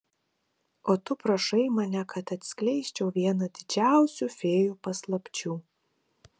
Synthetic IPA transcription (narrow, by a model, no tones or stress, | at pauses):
oːt̪ʊpɾɐʃɐɪmɐnʲɛkɐt̪ɐt̪ʲsʲkʲlʲɛɪsʲt͡ʃʲɛʊʋʲiɛnɐd̪ʲɪd͡ʒʲæˑʊsʲuːfʲeːjuːpɐslˠɐpʲt͡ʃʲuː